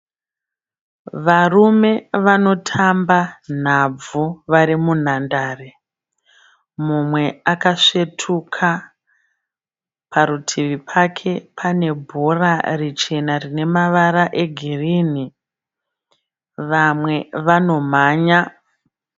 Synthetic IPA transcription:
ʋarume̞ʋano̞tʰamban̤ab͡vuʋaɾimun̤andaːre | mumwe̞akaʂe̞tʰukʰa | pʰaɾutʰiʋipʰakʰe̞pʰane̞bʱorarit͡ʃe̞narine̞maʋaɾaʔe̞ɡʱiriːni | ʋamwe̞ʋano̞maːɲa

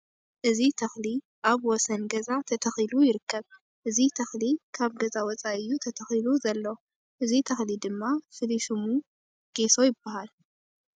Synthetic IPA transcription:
ʔɨzit̪ʰɐxli | ʔaβwɔsɐnɡɐzat̪ʰɐt̪ʰɐxilujɪɾɨkʰːɐβ | ʔɨzit̪ʰɐxlikʰaβɡɐzawɔt͡sʼaʔɨjːut̪ʰɐt̪ʰɐxiluzɐlːo | ʔɨzit̪ʰɐxlid̪ɨmːafɨliʃumu | ɡ̥e̞so̞jɪbːahal

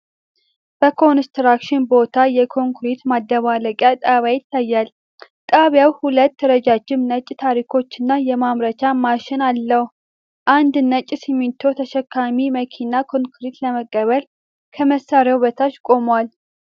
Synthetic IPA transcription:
b̥əkʰo̞nst̪ɾakʃɪnbo̞t̪ʰajɛkʰo̞ŋkɾit̪mad̪ːəβaləkʼjat̪ʼaβjajɪt̪ʰːajːal | t̪ʼaβjawhulət̪ːəɾəd͡ʒad͡ʒːɪmnət͡ʃʼːt̪ʰaɾikʰo̞t͡ʃːɪnːajɛmamɾət͡ʃamaʃɪnalːəh | ʔand̪nət͡ʃʼːsimːit̪ʰːo̞t̪ʰəʃɛkːamiməkʰinakʰo̞ŋkɾit̪ləməkʼːəβəl | kʰəməsːaɾjawβət̪ʰat͡ʃkʼo̞mwal

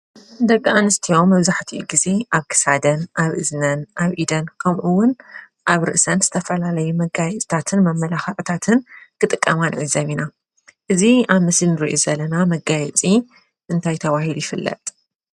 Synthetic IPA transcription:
d̪ɐɡʼaʔanɨst̪ʰijo̞mːɐβzaħt̪ʰiʔuɡize̞ʔaβkʰɨ̥sad̪ɐnʔaβʔɨznɐnʔaβʔid̪ɐnkʰɐmʔuwːʊn | ʔaβɾɨ̰ʔsɐnz̥ɨt̪ʰɐfɐlalɐjumɐɡajɛt͡sʼt̪ʰat̪ʰɨnmɐmːɐlaxɐʕt̪ʰat̪ʰɨnkʰɨt̪ʼɨkʼːɐmanʕɨzɐβina | ʔɨziaβmɨslinɨɾḭʔuzɐlːɐnamɐɡajɛt͡sʼi | ʔɨnt̪ʰajt̪ʰɐβahilujɪfɨlːɐ̰t̪ʼ

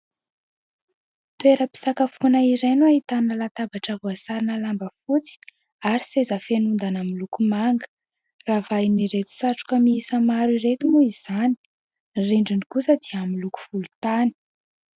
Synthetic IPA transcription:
t̪ueɾəpi̥sakafunaiɾenuaɦit̪annəlat̪abaʈ͡ʂəɦuasaɾinəlambəfut͡si̥ | aɾisezəfenund̪anamilukumaŋɡə̥ | ravajniɾet̪i̥saʈ͡ʂu̥kəmiisəmaɾiret̪imuiz̥ani̥ | reɳɖ͡ʐinikusəd̪iəamiluku̥v̥ulut̪ani̥

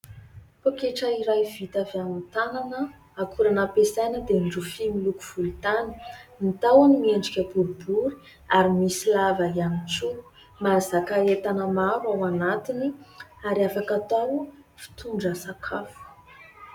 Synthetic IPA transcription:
pokeʈ͡ʂaiɾajvit̪avamit̪ananə | akuɾanapesajnəd̪enɖ͡ʐufimiluku̥v̥ult̪anə̥nit̪awanimieɳɖ͡ʐikʲəbuɾubuɾi̥ | aɾimisilavaiamit͡su | mazakaet̪anəmaɾawanat̪iniaɾiafakat̪aw | fi̥t̪uɳɖ͡ʐəsakʰafu̥

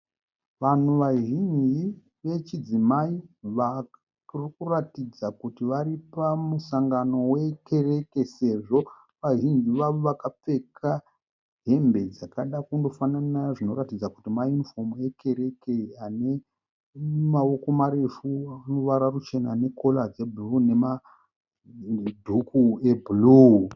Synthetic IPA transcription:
ʋan̤uʋaʒind͡ʒi | ʋe̞t͡ʃid͡zimaiʋa | rikuratid͡zakutiʋaɾipamusaŋɡano̞we̞ke̞re̞ke̞se̞ʐo̞ | ʋaʒind͡ʒiʋaʋoʋakap͡fe̞kʰa | ɦe̞mbe̞d͡zakaɗakundo̞fananaʐino̞ɾatid͡zakutimajunifo̞me̞kʰe̞ɾe̞keane̞ | mawo̞ko̞maɾe̞fuano̞ʋaɾarut͡ʃe̞naːne̞kʰo̞lad͡zeburune̞ma | dʱukuebulu

